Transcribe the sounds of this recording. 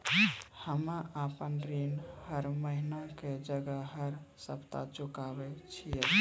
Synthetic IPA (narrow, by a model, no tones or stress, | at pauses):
həmaʔapənɾinhəɾməɦinaked͡ʒəɡəɦəɾsə̰pt̪a̰t͡ʃukabet͡ʃʰijət̪